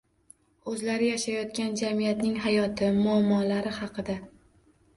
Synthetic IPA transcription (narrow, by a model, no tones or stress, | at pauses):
ɵzlaɾɪjaʃajɒt̪̚kʲand͡ʒamijat̪nɪŋɦajɒt̪ʰɪmʊamːɒlaɾɪhɑqʰɨd̪a